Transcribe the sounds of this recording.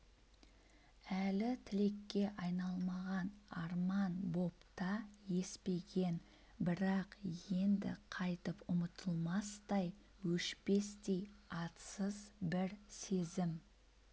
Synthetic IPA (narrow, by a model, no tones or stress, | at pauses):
ælɪt̪ʰɪle̞kʲːe̞ʔɑjnɑlˠmɑʁɑnɑɾmɑnbo̞pt̪ɑje̞spe̞ɡʲe̞n | bɪɾɑqje̞nd̪ɪ̰qʰɑjt̪əpʊmət̪ʰəlˠmɑst̪ɑj | wɵʃpe̞st̪e̞jɑt̪səzbɪɾse̞zɪm